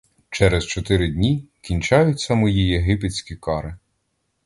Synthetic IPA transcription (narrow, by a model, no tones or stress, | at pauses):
t͡ʃɛɾɛzt͡ʃɔt̪ɪɾɪd̪ʲnʲikʲinʲt͡ʃɑjʊt͡sʲːɐmɔjijeɦɪpet͡sʲkʲikɑɾɪ